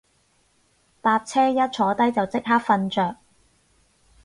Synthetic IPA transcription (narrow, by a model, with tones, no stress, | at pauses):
t̪aː˧p̚t͡sʰɛː˥jɐ˥t̚t͡sʰɔː˨˥t̪ɐ˥jt͡sɐ˨wt͡sɪ˥k̚ɦaː˥k̚fɐ˧nt͡ʃœː˨k̚